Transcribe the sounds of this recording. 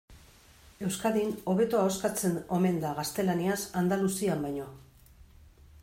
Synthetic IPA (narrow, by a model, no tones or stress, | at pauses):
e̞wskaðino̞βe̞t̪oaoskat͡se̞no̞me̞nd̪aɣast̪e̞laniasand̪alusiambajɲo̞